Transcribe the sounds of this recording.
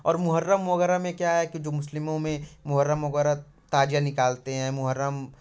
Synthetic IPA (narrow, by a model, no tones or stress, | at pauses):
ɔːɾmʊɦəɾːəmːoɡəɾamẽkjaɦɛkid͡ʒoːmʊslɪmõmẽmʊɦəɾːəmːɐɡəɾa | t̪aːd͡ʒjanɪkaːlt̪eɦɛ̃ːmʊɦəɾːəm